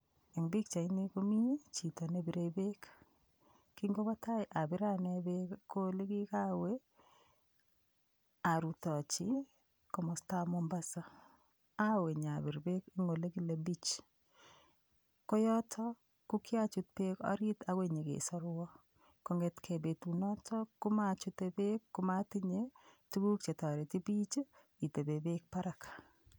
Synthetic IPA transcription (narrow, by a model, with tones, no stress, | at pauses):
ɛ˨ŋbɪ˦k̚t͡ʃa˨ɪ˦ni˦ko˦mi˦t͡ʃi˨to˨ne˦bi˨ɾe˨be˦k | ki˦ŋɡo˦ba˦ta˦jʔa˨bɪ˦ɾa˦ne˦be˦kkːo˦le˦ɡɪ˦ka˦we˦ | a˨ɾu˨t̪ɔ˨t͡ʃɪ˦ | kɔ˨mɔ˨sta˦mo˦mba˦sa˦ | a˦we˨ɲa˨bi˨ɾbe˦ki˦ŋo˨le˦ɡɪ˦la˨bi˦t͡ʃ | kɔ˦jɔ˦tʰɔ˦ | kʊ˦kɪ˦a˦t͡ʃʊ˨t̪̚pe˦kɔ̰˦ɾɪ˦ta˨we˦ɲe˨ɡḛ˨sɔ˦ɾwɔ˦ | kɔ˦ŋe˦t̪kʰe˨be˨tu˨nɔ˦tɔ˦kʊ˦ma˦t͡ʃʊ˦t̪e˨be˦kːʊ˦ma˦tɪ˦ɲe˦tu˦ɡu˦k̚t͡ʃe˨t̪ɔ˨ɾe˨ti˦bi˦t͡ʃ | i˨t̪e˨be˨be˦k̚pa˦ɾa˨kḁ˨